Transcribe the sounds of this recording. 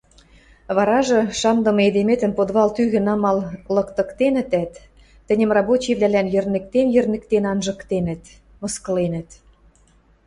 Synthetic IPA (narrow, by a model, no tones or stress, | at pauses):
βɑɾɑʒɤ̆ʃɑmd̪ɤ̆mɤ̆ed̪emet̪ə̆npod̪βɑlt̪yɣɘ̆nɑmɑllɤ̆kt̪ɤ̆kt̪enɘ̆t̪æt̪ː | ɘ̆nʲə̆mrɑbot͡ɕiβlælænjø̆rnɘ̆k̚t̪emjɘ̆rnɘ̆k̚t̪enɑnʒɤ̆kt̪enɘ̆t̪ | mɤ̆skɤ̆lenə̆t̪